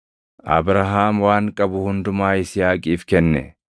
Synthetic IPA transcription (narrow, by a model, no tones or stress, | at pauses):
ʔɐ̰bɾɐɦaːmwaːŋkʼɐbʊhʊnd̪ʊmaːɪsɪjaːkʼiːfkɛnːɛ̰